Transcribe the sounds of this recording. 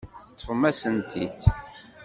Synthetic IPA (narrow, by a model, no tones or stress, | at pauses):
θət̪ˤːfəmæsənt̪ʰḭd̪